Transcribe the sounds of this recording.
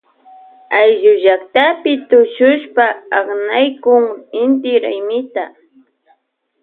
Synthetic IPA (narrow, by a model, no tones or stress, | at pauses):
ajʒʊʒakt̪apɪt̪ʊʃʊʃpaɑχnajkʊŋɪnt̪ɪɾajmɪt̪a